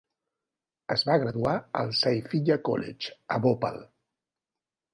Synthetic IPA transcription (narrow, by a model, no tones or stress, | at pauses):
əzβaɣ̞ɾəðuaə̰lˠsajfiʎəkɔ̰lɛ̰t͡ʃəβopa̰l